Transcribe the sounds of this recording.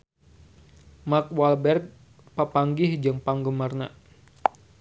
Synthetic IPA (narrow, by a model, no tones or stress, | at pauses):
mak̚walbɛrk̚ | papaŋɡɪhd͡ʒəŋpaŋɡəmarna